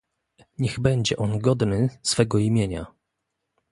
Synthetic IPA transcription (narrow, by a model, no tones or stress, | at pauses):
ɲɛɣbɛɲd͡ʑɛʔɔnɡɔd̪nɘsfɛɡɔimʲjeɲa̰